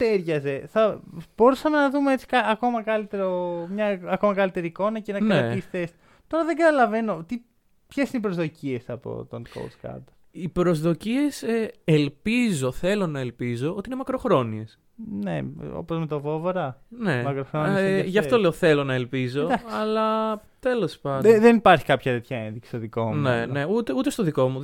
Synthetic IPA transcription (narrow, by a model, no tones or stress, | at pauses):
t̪eɾʝɐze̞θɐb̥o̞ɾusɐmenɐðumeet͡si̥kɐɐko̞mɐkɐlit̪e̞ɾomɲɐɐko̞mɐkɐlit̪e̞ɾiːko̞nɐce̞nɐnkɾɐt̪isθes | t̪o̞ɾɐðe̞ŋɡɐt̪ɐlɐve̞no̞t̪i | pçe̞sinipɾo̞zðo̞cie̞sɐpo̞̰t̪onko̰wd̪skɐ̰d̪ | ipɾo̞zðo̞cie̞selpizo̞θe̞lo̞nɐelpizo̞ot̪iinemɐkɾo̞xɾo̞nie̞s | nḛo̰pozmet̪ovo̞voɾɐne̞mɐkɾoxɾonsʝɐffto̞le̞oθe̞lo̞nɐelpizo̞d̪ɐksɐlɐt̪e̞lo̞spɐnd̪eðenipɐɾçi̥kɐpçɐt̪et̪çɐenðiksi̥stoðikomnene̞ut̪eut̪e̞st̪o̞ðiko̞mu